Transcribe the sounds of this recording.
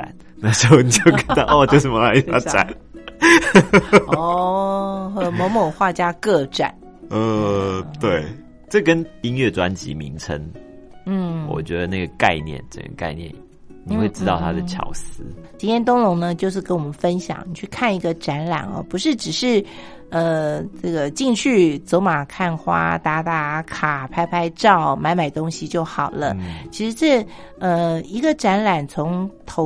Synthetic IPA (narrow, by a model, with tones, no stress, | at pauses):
a˨n | na˥˩ʂ̩˧˥xo˥˩ni˨˩t͡ɕo˥˩ʊka˧˩˦nt̪ʔo˥˧˨t͡ɕjo˥˩ʊʂə˨˩m˦la˧ɪ˥t̪a˥˧ʈ͡ʂa̰˥˨˩n | ɔ˥˩˧ | mo˧˥ŋmo˨˩xwa˥˩t͡ɕja˥kɤ˥˧ʈ͡ʂa̰˨˩˦n̩˥˧ | t̪we˥˨˩ɪ | ʈ͡ʂə˥˩kə˦ni˦ŋɥɛ˥˩ʈ͡ʂwa˦nt͡ɕḭ˧˦mḭ˧˦ŋʈ͡ʂʰə̰˧˦ŋ | n̩˥˩wɔ̰˨˩t͡ɕɥɛ˧˥d̪ə˨˦na˥˩ɡə˩ka˥˧ɪnjɛ̰˥˨˩nʈ͡ʂə̰˥˩ɡə̰˨˩ka̰˥˧ɪnjɛ̰˥˨˩n | ni˨˩we˥˩ɪʈ͡ʂɻ̩˥t̪ɑ˥˩ʊt̪ʰa˥d̪ət͡ɕʰjɑ̰˨˩ʊsɹ̩˧˦t͡ɕi˥nt̪ʰjɛ˥nt̪̬ʊ˥ŋlʊ˧˥ŋnə˧t͡ɕjo˥˧ʊʂ̬ɻ̩˥˩kə˥nwɔ˨mə˦nfə˦˥nɕjɑ̰˨˩˦ŋni˨˩t͡ɕʰy˥˧kʰa˥˩ni˧˥ɡə˧ʈ͡ʂa˧˥nla̰˨˩nɐ̰˧˩pu˧˥ʂɻ̩˥˩ʈ͡ʂɻ̩˨˩ʂɻ̩˥˩ | ə˧ʈ͡ʂə˥˩ɡə˩t͡ɕi˥˧ŋt͡ɕʰy˥˩t͡so˧˥ʊma˨˩kʰa˥˩nxwa̰˥t̪a˧˥t̪a˥˩kʰa˨˩pʰa˥ɪpʰa˥ɪʈ͡ʂɑ˥˩ʊma˧˥nma˨˩ɪt̪ʊ˥ŋɕi˨t͡ɕjo˥˩ʊxɑ˨˩ʊlə˦t͡ɕʰi˧˥ʂɻ̩˧˥ʈ͡ʂɤ˥˩ | ə˧i˧˥ɡə˧ʈ͡ʂa˧˥nla˨˩nt͡sʰo˧˥ŋt̪ʰo˧˥